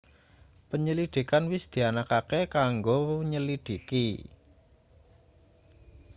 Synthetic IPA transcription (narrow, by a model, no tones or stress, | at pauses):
pəɲəlid̪̥i̤kanwisd̪̥i̤anakakekaŋɡoɲəlid̪̥i̤ki